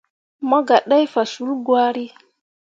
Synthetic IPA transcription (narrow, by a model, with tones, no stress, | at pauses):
ma˦ɡa˨ɗa˦jfa˨su˨˦lɡwa˦ɾi˦